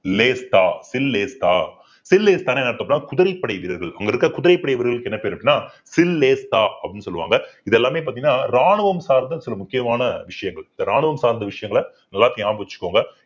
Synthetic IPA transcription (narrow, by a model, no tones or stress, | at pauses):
leːst̪aːsɪlːeːst̪a̰ː | sɪlːeːst̪aːneːnɐɽɐɐpːnːaːkʊðɪɾɐɪpːɐɽɐɪʋɪɾɐɾɣɐɭɐŋɡɐɪɾɯkːɾɐkʊðɪɾɐɪpːɐɽɐɪʋɐɾɣɐɭɯkːɛnːɐpeːɾʋɐʈːɪnːaː | sɪlːeːst̪aːɐ̰pːɽɪnːɯsɔlːɯʋa̰ːŋɡɐɪðɛlːaːmeːp̬aːt̪iŋɡɐnaːɾaːɳɯʋɐmsaːɾnd̪ɐsɪlɐmʊkːɪjɐmaːnɐʋɪʂɐjɐŋɡɐɭɪnd̪ɐɾaːɳɯʋɐmsaːɾnd̪ɐʋɪʂɐjɐŋɡɐɭ | nɐlːaːt̪ːɪaːmbɯʋɐt͡ʃːɯ̥kːaːŋɡɐ